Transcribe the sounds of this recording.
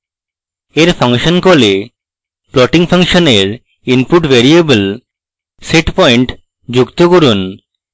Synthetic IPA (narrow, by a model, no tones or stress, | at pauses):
eɾfʰaŋʃonkole | plɔʈiŋpʰaŋʃoneɾ | inpuʈveɾiebəl | seʈpɔiɳʈ | d͡ʑukt̪okoɾun